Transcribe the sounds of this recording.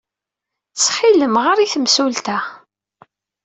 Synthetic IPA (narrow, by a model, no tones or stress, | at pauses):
sħiləmʁəɾiθəmsult̪æ